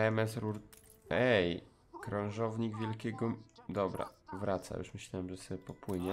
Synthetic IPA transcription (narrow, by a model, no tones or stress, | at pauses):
ɛmɛsɾuɾ | ɛj | kɾãw̃ʐɔvɲiɡvʲjɛlkʲɛɡɔd̪ɔbɾa̰vɾat̪sa̰jṵʂmɘɕlʲawɛmʐɛsɔbʲɛpɔpwɘɲɛ